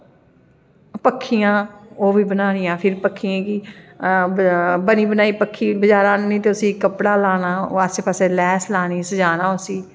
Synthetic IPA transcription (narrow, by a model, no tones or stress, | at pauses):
pəkʰːijãːoːʋiːbənaːnɪjãːpʰɪɾpəkʰːiãːki | bəniːbənaːiːpəkʰːiːbəd͡ʒaːɾãːnniːt̪eːʊsĩːkəpɽaːlaːnãːo̰ːaseːpaːseːlɛːslaːniːsəd͡ʒaːnãːʊsĩː